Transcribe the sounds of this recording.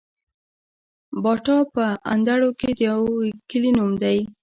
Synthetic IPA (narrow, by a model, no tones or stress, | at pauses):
bɑʈɑpəand̪aɽoked̪əjawkəlinumd̪aj